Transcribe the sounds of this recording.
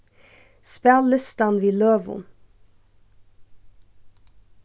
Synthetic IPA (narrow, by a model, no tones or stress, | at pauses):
spælɪst̪ɑnʋiːløːʋʊ̰n